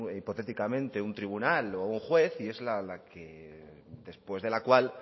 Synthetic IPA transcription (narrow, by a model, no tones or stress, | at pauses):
ipo̞t̪e̞t̪ikamẽ̞nt̪eunt̪ɾiβ̞unalouŋxwe̞θie̞zlalake | d̪e̞spwe̞zðe̞lakwal